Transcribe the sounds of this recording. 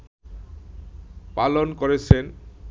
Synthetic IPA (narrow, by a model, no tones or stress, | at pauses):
palonkoɾet͡ɕʰen